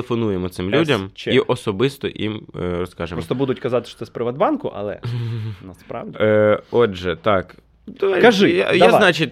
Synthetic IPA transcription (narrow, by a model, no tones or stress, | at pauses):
efɔnujemɔt̪sɪmlʲudʲɐmt͡ʃiʔɔsɔbɪst̪ɔ̰ʔḭmrɔskɑʒemɾɔɔst̪ɔbud̪ʊtʲkɐzɑt̪ɪ̥ʃt̪ɔ̥t̪ɛspɾɪʋɐd̪bɑnkʊ̰ʔɐ̰lˠɛ̰nɐspɾa̰wdʲiɔʒɛt̪ɑk | d̪ɔʋaɐʒɪajaznat͡ʃit̚ʲ